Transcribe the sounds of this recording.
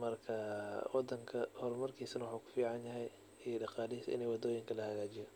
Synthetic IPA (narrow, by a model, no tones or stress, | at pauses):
mɐrkʰɐwɑd̪ːɐŋkʰɐhɔrmɐrkʰiːsɐnɐwħuːkʰʊ̥fiːʕɑnjɐɦɛj | ɛɖɑqɑːlɪiːsʔɪ̰nɛjwɑd̪ɔːjɪŋkʰɐlɐhɐɣaːt͡ʃɪjɔ